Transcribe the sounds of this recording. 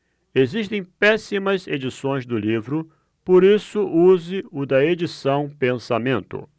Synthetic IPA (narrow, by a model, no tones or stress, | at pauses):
eziʃt̪ẽj̃pɛsimɐzed͡ʒisõj̃zd̪ʊlivɾʊ | poɾisʊʔuzɪʊd̪ɐed͡ʒisɐ̃w̃pẽsamẽnt̪ʊ̰